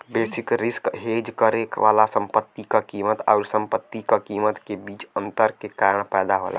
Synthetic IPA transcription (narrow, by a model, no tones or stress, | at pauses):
besikɾiskɦed͡ʒkəɾekʋa̰lasəmpət̪ːikakimət̪a̰ʊɾsəmpət̪ːikakimət̪kebiːt͡ʃənt̪əɾkekaɾəɳpɛːd̪aɦo̰la̰